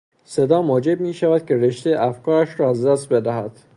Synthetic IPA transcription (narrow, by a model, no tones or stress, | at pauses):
se̞d̪ɒːmɒːd͡ʒe̞b̚miːʃævæd̪̥̚kʲʰe̞ɾeʃt̪ejʔæfkʰɒːɾæʃɾɒːæzd̪æst̪̚be̞d̪æɦæd̪̥